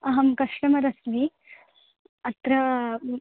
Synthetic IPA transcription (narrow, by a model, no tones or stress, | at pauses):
ɐɦɐmkɐʂʈɐmɐɾɐsʋi | ɐt̪ɾɐ